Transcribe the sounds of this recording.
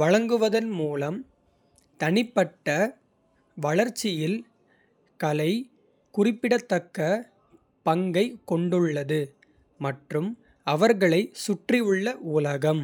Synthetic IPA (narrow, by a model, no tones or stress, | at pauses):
ʋɐɻɐŋɡɯʋɐðɐnmuːlɐm | t̪ɐnɪpːɐʈːɐ | ʋɐɭɐɾt͡ʃːɪjɪl | kɐlɐɪ | kʊrɪpːɪɽɐt̪ːɐkːɐ | pɐŋɡɐɪkːɔɳɖɯɭːɐðɯ | mɐʈrɯm | ɐʋɐɾɣɐɭɐɪsʊʈrɪɯɭːɐʔuːlɐɣɐm